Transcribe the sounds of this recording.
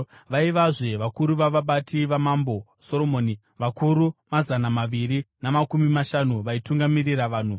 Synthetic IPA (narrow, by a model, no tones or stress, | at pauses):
ʋaiʋaʐe̞ʋakuɾuʋaʋaɓatiʋamambo̞ | so̞ɾo̞moːni | ʋakuɾumazanamaʋiɾinamakumimaʃanuʋaituŋɡamiriraʋaːn̤u